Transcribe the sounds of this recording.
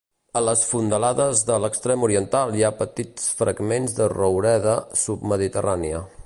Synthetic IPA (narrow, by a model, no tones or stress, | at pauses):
ələsfund̪əlaðəzðələkst̪ɾemuɾiənt̪alˠiapət̪it͡sfɾəɡmenzðərowɾɛðəsub̚məðit̪əraniə